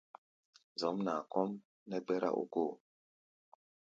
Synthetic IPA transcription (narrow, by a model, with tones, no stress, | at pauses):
zɔ˨˦mna˨kɔ˦m | nɛ˦ɡ͡bɛ˦ɾa̰˦ʔṵ˦ko˦˨